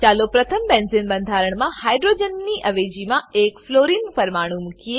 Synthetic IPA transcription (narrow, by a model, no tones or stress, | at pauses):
t͡ʃaːlopɾɐt̪ʰəmbẽnzɪnbə̃nd̪ʱaːɾəɽ̃mãhaːjɖɾoːd͡ʒənːiʔɐʋeːd͡ʒimãeːkfloːɾiːnpɐɾmaːɽ̃ũmʊkie